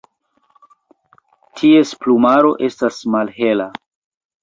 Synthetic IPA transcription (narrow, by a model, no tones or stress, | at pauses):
tʰie̞splumaɾo̞̰ʔe̞stasmalɦe̞la